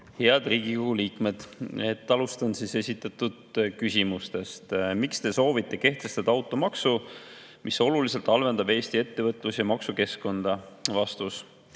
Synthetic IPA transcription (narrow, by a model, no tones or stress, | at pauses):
he̞ɑd̪̥riːɡ̥ikoɡuliːkme̞d̪̥e̞t̪ːɑlust̪ɑnsise̞sʲit̪ːˑɑt̪ːud̪̥kysimust̪e̞st̪mikst̪e̞so̞ːvit̪ːˑe̞ke̞ht̪lest̪ɑd̪̥ɑɑwt̪ːˑo̞mɑksu | miso̞lulise̞lt̪ɑlve̞nd̪ɑbe̞ːst̪ie̞t̪ːe̞vɤt̪ːˑlusjɑmɑksuke̞sko̞nd̪̥ɑvɑst̪us